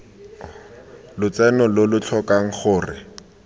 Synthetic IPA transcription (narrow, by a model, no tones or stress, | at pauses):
lʊt͡sɛnɔlʊlʊt͡ɬʰɔkaŋ̩χʊːrɪ̰